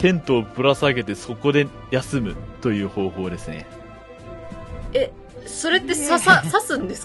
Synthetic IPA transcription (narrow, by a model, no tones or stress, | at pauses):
t̪ẽ̞nt̪o̞ːpɯ̟ɾasaɡe̞t̪e̞so̞ko̞d̪e̞ | jasɨmɯ̟t̪o̞jɯ̟ːho̞ːho̞ːd̪e̞sɨne̞̰ | e | so̞ɾe̞t̪ːe̞sasasasɨ̃nd̪es